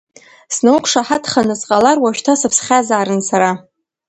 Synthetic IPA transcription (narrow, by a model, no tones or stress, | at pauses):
snɨwqʰʷʼʂaħatʰχanɨsqʼalarwaʃᶣtʰasɨpʰsχʲazaːɾɨnsaɾa